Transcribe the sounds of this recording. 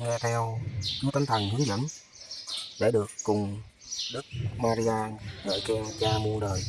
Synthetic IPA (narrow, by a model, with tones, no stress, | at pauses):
ŋɛ˧t̪ʰɛ˧wt͡ɕu˧˦t̪a˧ŋt̪ʰə˨˩ŋhi˨˦la̰˧˩m | ɗe˧˩ɗɨ˨˩əkːʊ˨˩ŋ͡m | ɗɨ˦˥k̚maː˧ɾi˧aː˧ɗə̰ː˧˨˩jkɛ˧ŋt͡ɕaː˧mu˧ɗəː˨˩j